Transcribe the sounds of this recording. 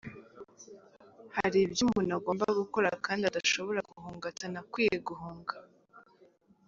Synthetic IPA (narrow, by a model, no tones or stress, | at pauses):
haɾibjumunaɡoːmbaɡukoɾakaːndiadaʃo̞βo̞ɾaɡuhuːŋɡatanakwiːjeɡuɦuːŋɡa